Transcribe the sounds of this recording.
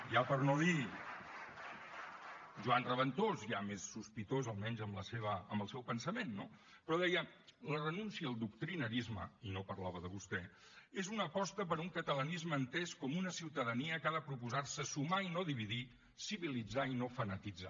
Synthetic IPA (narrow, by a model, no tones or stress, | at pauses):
ʒapəɾnoði | ʒuanrəβənt̪ozʒamesːuspit̪ozəlˠmɛnzəmləseβ̞əəmbəlˠsɛwpənsəmenːo̰ | pɾɔðɛjələrənunsiəːlˠd̪uk̚t̪ɾinəɾizmə̰inopəɾlaβəðəβ̞ust̪ɛ | ezunəpɔst̪əpəɾuŋkət̪ələnizməːnt̪ɛskɔmunəsiwt̪əðəniəkaðəpɾupuzarsəsumainoðiβ̞iði | siβilid͡zainofənət̪id͡za̰